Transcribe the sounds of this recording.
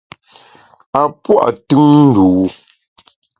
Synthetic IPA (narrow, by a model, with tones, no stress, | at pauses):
a˨pwa̰˦˨ʔtʉ˦ŋn̩˦duː˨˦